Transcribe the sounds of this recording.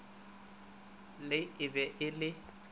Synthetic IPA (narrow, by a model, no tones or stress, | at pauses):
lɪɪbɛʔɪlɪ